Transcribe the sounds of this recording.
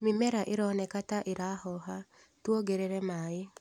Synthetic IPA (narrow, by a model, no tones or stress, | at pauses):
mimɛɾaʔeɾɔnɛkataʔeɾahɔɦa | twoɡeɾeɾɛmaːe